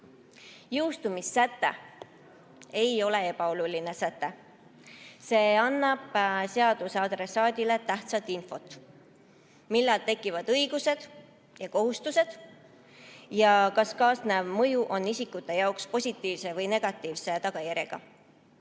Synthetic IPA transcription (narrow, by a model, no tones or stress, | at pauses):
jɯwst̪umisːæt̪ːe̞̰ | e̞jo̞le̞e̞pɑo̞luline̞sæt̪ːe̞ | se̞ːɑnːɑb̥se̞ɑd̪̥useɑd̪̥re̞sɑːd̪ʲile̞t̪æht̪sɑt̪info̞t̪ːˑ | milːɑlt̪e̞kːˑivɑd̪̥ɤjɡ̥use̞d̪̥ | jɑko̞ɦust̪use̞d̪̥ | jɑkɑskɑːsnevmɤjuʔo̞nːisikːut̪ːˑe̞jɑokspo̞sʲit̪ˑːiːvse̞vɤjne̞ɡ̥ɑt̪ˑːiːvse̞t̪ɑɡ̥ɑjæɾʲeɡ̥ɑ̰